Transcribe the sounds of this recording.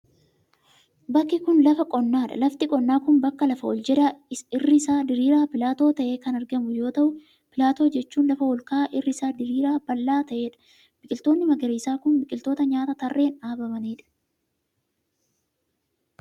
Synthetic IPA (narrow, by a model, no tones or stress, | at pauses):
bɐkːɪkʊnlɐfɐkʼɔnːaːᶑɐ̰lɐft̪ɪkʼɔnːaːkʊnbɐkːɐlɐfɐwɔ̰ld͡ʒɛd̪aɪɪrːɪɪsaːd̪ɪɾiːɾaːpɪlaːt̪o̞ːt̪ɐʔe̞ːkɐnɐɾɡɐmʊjo̞ːt̪ɐʔʊ | pɪlaːt̪o̞ːd͡ʒɛt͡ʃːuːnlɐfɐwɔlkaːʔɪrːɪsaːd̪ɪɾiːɾaːb̥ɐlːaːt̪ɐʔe̞ːᶑɐ̥ | b̥ɪkʼɪlt̪o̞ːnːɪmɐɡɐɾiːsaːkʊnbɪkʼɪlt̪o̞ːt̪ɐɲaːt̪ɐt̪ɐrːe̞ːnaːbɐmɐniːᶑɐ̥